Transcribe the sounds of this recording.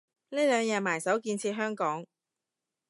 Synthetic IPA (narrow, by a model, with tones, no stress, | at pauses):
neː˥lœː˨˧ŋjɛː˨˧maː˨˩jsɐ˨˥wkiː˧nt͡sʰiː˧ɦœː˥ŋkɔː˨˥ŋ